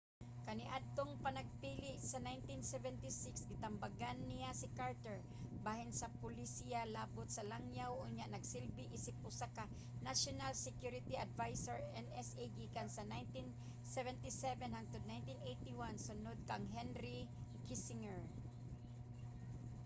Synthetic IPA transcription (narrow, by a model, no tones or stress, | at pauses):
kɐnɪʔad̪̚t̪oŋpɐnaɡ̚piːlɪʔsanajnt̪insɛvɛnt̪isɪksɡɪt̪ambaɡanːɪjasɪkaɹt̪ɛɹ | baːhɪnsɐpʊlisijalaːbʊt̪̚sɐlaŋjawʔʊɲaʔnɐɡsɪlbɪʔɪsɪp̚ʔʊsaka | naʃonalsɛkjuɾɪt̪iʔad̪vajsoɹɛnɛsed̪ikansanajnt̪in | sɛvɛnt̪isɛvɛnhaŋ̚t̪ʊd̪̚najnt̪inʔejt̪iwansʊnod̪̚kaŋɦɛnɾikisɪŋɛɹ